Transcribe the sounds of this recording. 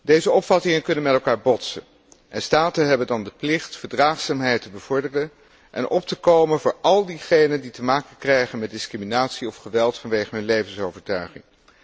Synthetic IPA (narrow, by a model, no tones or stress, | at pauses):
dejzəɔpfɑtɪŋənkɵnənmɛtɛlˠkaːɹbɔtsən | ʔɛnstaːtənɦɛbəndɑndəplɪχtfəɹdraːχsaːmɦɛjtəbəv̥ɔɹdərən | ʔɛ̰nʔɔp̚təkowmənvʊːɹɑlˠdiχejnənditəmaːkəkrɛjχənmɛt̚dɪskriminaːtsiɔfχəʋɛlˠtfɑnʋejχəɦɵnlejvənsowvəɹtœɥχɪ̰ŋ